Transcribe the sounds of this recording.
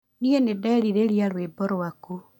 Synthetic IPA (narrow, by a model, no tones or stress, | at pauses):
nienedɛːɾiɾeɾjaɾwebɔɾwaku